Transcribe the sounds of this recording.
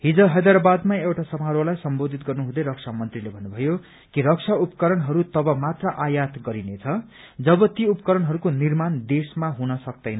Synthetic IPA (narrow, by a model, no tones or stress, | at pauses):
ɦid͡zʌɦʌd̪ʌɾbad̪maewʈasʌmaɾwolajsʌmbod̪ʱit̪̚ɡʌrnuɦũd̪ʌɾʌksʰamʌnt̪rilebʱʌnːubʱʌjo | kiɾʌksʰaupʌ̥kʌɾʌnɦʌɾut̪ʌbʌmat̪rʌʔajat̪ɡʌɾinet͡sʰʌ | d͡zʌbʌt̪iupʌkʌɾʌnɦʌɾukonirmand̪esmaɦunʌsʌk̚d̪ʌjnʌ